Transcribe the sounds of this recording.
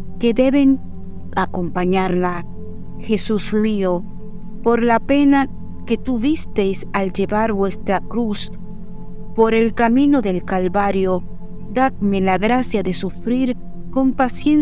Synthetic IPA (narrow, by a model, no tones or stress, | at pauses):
ke̞ðe̞βe̞ŋ | ako̞mpaɲaɾla | xe̞susrio | po̞ɾlape̞na | ke̞t̪uβist̪e̞jsald͡ʒe̞βaɾβwe̞st̪ɾakɾus | po̞ɾe̞lkamĩno̞ðe̞lkalβaɾjo̞ | d̪ad̪̚me̞laɣɾasjaðe̞sufɾiɾ | ko̞mpasjen